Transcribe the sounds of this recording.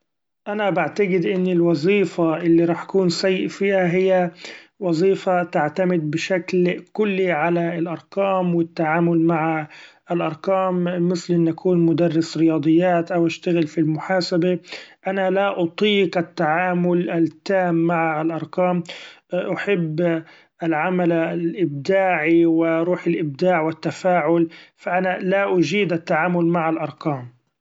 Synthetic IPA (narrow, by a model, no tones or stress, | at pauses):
ʔanabaʕt̪aɡɪd̪ʔɪnːɪlwɑzˤiːfaʔɪlːiɾˤɑːħakuːnsajːɪʔfiːhaɦɪjːawɑzˤiːfat̪aʕt̪amɪd̪̚bɪʃaklkʊlːiʕalaɪlʔɑɾˤqɑːmwɪt̪ːaʕaːmʊlmaʕa | ɪlʔɑɾˤqɑːmːɪslʔɪnːʔakʰuːnmʊd̪arːɪsɾɪjɑːd̪ˤɨjːaːt̪ʔawʔaʃt̪aɣɪlfilmʊħaːsabaʔanalaʔʊt̪ˤiːqat̪ːaʕaːmʊlat̪ːaːmːaʕaɪlʔɑɾˤqɑːmʔaħɪbː | ʔɪlʕamallʔɪb̚d̪aːʕiwɪʔɾˤuːħɪlʔɪb̚d̪aːʕwɪt̪ːafaːʕʊlfaʔanalaʔʊd͡ʒiːd̪ʔat̪ːaʕaːmʊlmaʕalʔɑɾˤqɑːm